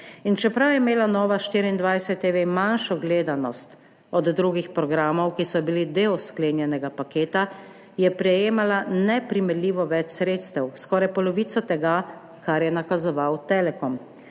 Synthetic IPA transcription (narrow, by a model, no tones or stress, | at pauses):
int͡ʃɛpɾawjɛmeːlanɔːʋaʃt̪iːɾiind̪ʋajsɛt̪ːeʋemanʃɔɡleːd̪anɔst̪ | ɔd̪ːɾuɡixpɾɔɡɾaːmɔwkisɔbilid̪eːwskleːnjɛnɛɡapakeːt̪a | jɛpɾɛjeːmalanɛpɾimɛɾlʲiːʋɔʋɛt͡ʃsɾeːt̪st̪ɛwskɔːɾajpɔlɔʋiːt̪sɔt̪ɛɡa | kaɾjɛnakazɔʋawt̪ɛlɛkɔm